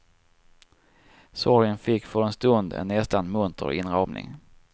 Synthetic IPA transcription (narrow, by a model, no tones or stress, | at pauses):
sɔɾjənfɪkːfœɾɛnst̪ɵnd̪ɛ̰nːɛst̪anmɵnt̪ʰə̰ɾɪnɾɑmnɪ̰ŋ